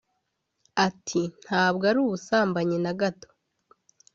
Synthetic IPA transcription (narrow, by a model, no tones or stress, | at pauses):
atʰin̥haːβɡaɾuːβusaːmbaɲenaɡato̥